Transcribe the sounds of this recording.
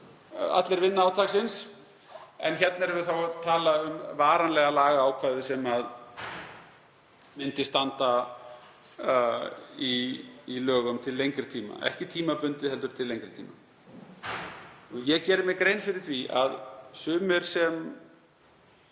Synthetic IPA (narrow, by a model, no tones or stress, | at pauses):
a̰t̪lɛɾvɪnːaaːwt̪ʰaːksɪns | ɛ̰nçɛt̪̚nɛɾɛvɪθawt̪ʰaːlaʏmvaːɾanlɛɣalaːɣaaːwkʰvaːðɪsɛmað | mɪnt̪ɪst̪ant̪a | iːlœːɣʏmt̪ʰɪlːejŋkɾɪt̪ʰiːma̰ʔɛ̰hcɪt̪ʰiːmapʏnt̪ɪðhɛlt̪ʏɾ̥t̪ʰɪlːejŋkɾɪt̪ʰiːma | ɔjɛcɛːɾɪmjɛkɾeːjnfɪɾɪɾ̥θvia̰ðsʏːmɪɾ̥sɛm